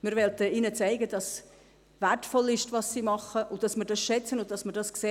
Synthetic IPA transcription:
mɪɾvɛltəinət͡sæɪɡədɑs | væɹtfɔlɪʃtvɑsːimɑχəʔʊd̥ɑsməɾdɑsʃɛt͡sənʊntd̥ɑsməɾdɑskseː

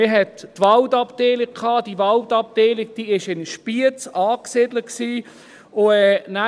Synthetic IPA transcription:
ɪɦɛtːʋɑldɑpd̥eːlɪk̚kʰɑːd̥ivɑldɑp̚d̥eːlɪk̚d̥iːɪʃɪnʃpiət͡sɑːksɪdləksiː | ʊɛna

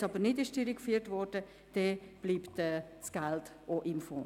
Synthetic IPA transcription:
sɑbəɾnɪdɪʃtɪɾikfyətvɔɾd̥ə | d̥ɛb̥liːptɛː | sɡ̥alt | oʔɪmfɔ̰̃ː

